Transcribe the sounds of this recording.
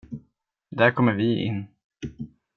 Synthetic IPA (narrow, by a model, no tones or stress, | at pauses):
d̪æɾkʰɔmːəɾvɪɪ̰nː